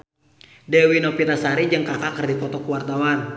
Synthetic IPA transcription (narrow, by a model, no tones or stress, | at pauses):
dɛwinɔpit̪asaɾid͡ʒəŋkakakərdikɔt̪ɔkuwart̪awar